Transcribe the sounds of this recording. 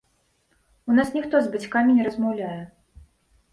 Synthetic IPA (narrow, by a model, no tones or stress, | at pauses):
unasnʲixt̪ɔzbat͡sʲkamʲinʲɛɾɐzmawlʲajɛ